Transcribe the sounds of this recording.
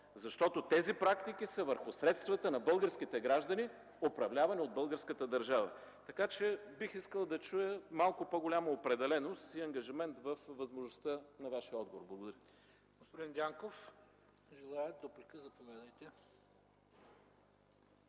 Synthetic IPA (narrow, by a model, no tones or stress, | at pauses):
zɐʃt̪ɔt̪ot̪ɛzipɾakt̪ik̟isəvəɾxʊsɾɛt̪st̪vət̪ənɐbɤlˠɡəɾsk̟it̪ɛɡɾaʒd̪əni | opɾɐvlʲavɐniod̪̚bɤlˠɡəɾskət̪əd̪əɾʒavə̰t̪ɐkat͡ʃɛbixiskəlˠd̪ɐt͡ʃujəmalˠkʊpoɡolʲamɐopɾɛd̪ɛlɛnost̪iɐŋɡɐʒimɛnt̪vəfvɐzmoʒnʊst̪ənɐvaʃiəɔd̪ɡovo̰ɾblˠɐɡod̪ɐɾʲə | ɡospod̪ind̪ʲaŋkof | ʒɛlˠajɛt̪̚d̪opɾikəzɐpovʲad̪əjt̪ɛ